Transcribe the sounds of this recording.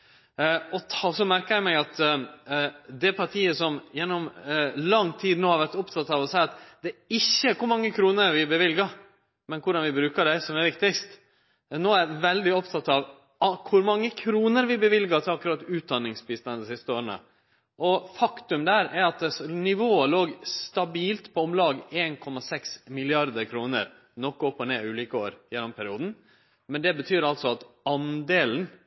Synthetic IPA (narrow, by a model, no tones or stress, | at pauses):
ɔɔsɔmæɾkəæmæɪɑt̪ | d̪ɛpʰɑʈʰiːəsɔmjɛnːɔmlɑŋːt̪ʰiːd̪noːhɑɾʋæɾt̪ɔpt̪ʰɑt̪ːɑʋɔsæɪɑt̪d̪ɛɪçːəkʊɾmɑŋːəkʰɾuːnəɾʋɪbəʋɪlɡə | mɛnkʰʊɖɑnʋɪbɾʉːkəɖæɪsɔmɛɾʋɪkt̪ɪkst̪ | noːæɾʋɛld̪ɪɔpt̪ʰɑt̪ːɑʋ | ɑkʰʊɾmɑŋːəkʰɾuːnəɾʋɪbəʋɪlɡɑt̪ʰɪlɑkːʉɾɑt̪ːʉːt̪̚d̪ɑnːɪŋsbɪst̪ɑnd̪sɪst̪əoːɾənə̰ | ʔɔfɑkt̪ʉmd̪æːɾɛɾɑt̪snɪʋoːəloːɡst̪ɑbiːlt̪pʰɔɔmlɑːɡeːnkʰɔmɑsɛksmɪlɪɑɾd̪əɾkʰɾuːnəɾ | nɔkːɔpːɔneːʉːliːkəoːɾjɛnːɔmpʰɛɾɪuːd̪n̩ | mɛnd̪ɛbət̪ʰyːɾɑlt̪sɔɑt̪ɑnd̪eːln̩